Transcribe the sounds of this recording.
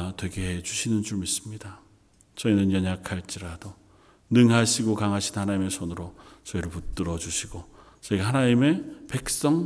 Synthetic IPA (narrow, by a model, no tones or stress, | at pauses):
twe̞ɡe̞ɦet͡ɕuɕʰinɯnd͡ʑomis͈ɯmɲida | t͡ɕʌinɯnjʌɲakʰaɭt͡ɕ͈iɾado | nɯŋɦaɕʰiɡokaŋɦaɕʰinnhanaɲime̞sʰonɯɾot͡ɕʌiɾɯɭput͈ɯɾʌd͡ʑuɕʰiɡo | s͈ʰʌiɡeɦanaɲime̞pe̞k̚s͈ʌŋ